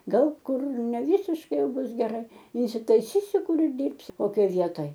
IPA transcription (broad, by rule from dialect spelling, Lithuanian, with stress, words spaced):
ˈɡɐlˠ ˈkʊr nʲɛˈʋʲiːsʲɪʃkɐɪ ˈjɛʊ ˈbʊs ɡʲɛˈrɐɪ ɪnʲsʲɪtɐɪˈsʲiːsʲʊ ˈkʊr ɪr ˈdʲɪrʲpʲsʲʊ koːˈkʲoːj ˈʋʲiɛtoːj